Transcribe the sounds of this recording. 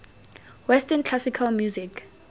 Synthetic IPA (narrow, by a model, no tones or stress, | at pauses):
wɛstʰɛnkʰlasikʰalmjuzikʰ